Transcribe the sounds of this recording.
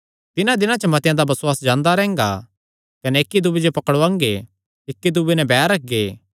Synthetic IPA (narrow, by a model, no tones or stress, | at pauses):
t̪ɪnãd̪ɪnãt͡ʃəmɐt̪jãd̪abɐswaːsd͡ʒãːnd̪aɾɛɦɛ̃ŋ̆ɡa̰ | kɐnɛɪkːid̪ubed͡ʒopɐkəɽoãːŋɡe | ɪkːid̪ubenɛbɛːɾɐk̚ʰɡeː